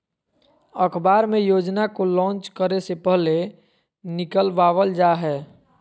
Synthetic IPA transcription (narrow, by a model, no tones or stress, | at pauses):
əkʰbaːɾmẽjoːd͡ʒnakolɔ̃ːnt͡ʃkəɾesepɛɦle | nɪkəlʋaːʋəld͡ʒaɦɛː